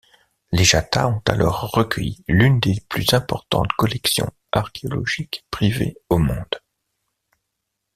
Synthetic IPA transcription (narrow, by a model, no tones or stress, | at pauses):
leʒat̪aɔ̃t̪alʔɔʁːəkʰʲəjilynd̪eplyzɛ̃pɔʁt̪ɑ̰̃t̪kɔlɛksjɔ̰̃ | aʁkʲʰeɔlɔ̰ʒikpχiveomɔ̃d̪̥